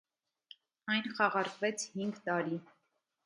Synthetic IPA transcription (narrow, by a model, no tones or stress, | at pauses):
ɑjnχɑʁɑɾkvɛt͡sʰhiŋɡt̪ɑɾi